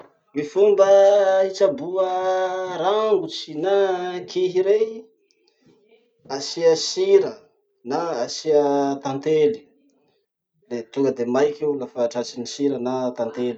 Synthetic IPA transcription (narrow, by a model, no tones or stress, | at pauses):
mifumbəit͡ʃabuəɾaŋɡut͡si̥nakʰiɦiɾe | asiəsiɾə | naasiət̪ant̪eli̥ | let̪uŋɡəd̪emajkʲeulafaːʈ͡ʂat͡ʃinisiɾənat̪ant̪eli